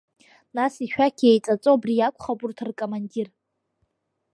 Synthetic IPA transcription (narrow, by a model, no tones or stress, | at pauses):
nasiʃᶣakʲʰejt͡sʼat͡sʼoabrijakʷʰʼχapʼʊrtʰɨrkʼomandir